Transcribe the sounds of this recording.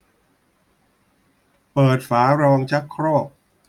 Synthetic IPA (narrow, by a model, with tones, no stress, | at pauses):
pɤː˨˩t̪̚faː˩˦ɾɔː˧ŋt͡ɕʰa˦˥kʰɾɔː˥˩p̚